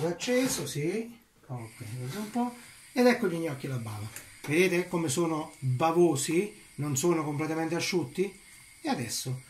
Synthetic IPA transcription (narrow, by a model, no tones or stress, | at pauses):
at͡ʃːeːsosi | kʰɔkːeazoumpɔ | ed̪ɛkːoʎiɲːɔkːilabːa̰ːva | ved̪eːt̪ekomesoːnobavoːsi | nonsoːnokomplet̪ament̪eaʃːut̪ːi | ead̪ɛsːo